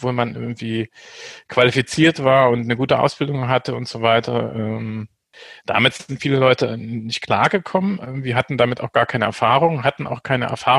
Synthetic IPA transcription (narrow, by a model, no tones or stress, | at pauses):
v̥oːlmanʔɪ̰ɐɡŋ̩tv̥iːkv̥alifit͡siːɐtv̥aːɐʊntnəɡuːtəʔa̰ʊsb̥ɪldʊŋɦatəʊntz̥oːvaɪtʰɐ̰ʔɛːm | d̥a̰mɪtz̥ɪntfiːləlɔʏtənɪçt̚kʰl̥a̰ːɐɡəkʰɔmənʔɛːŋv̥iːɐɦatn̩damɪtaʊxɡ̥aːɐkʰaɪnəʔɛɐfaːʁ̞ʊŋɦatn̩ʔa̰ʊxkʰaɪnəʔɛ̰ɐfaː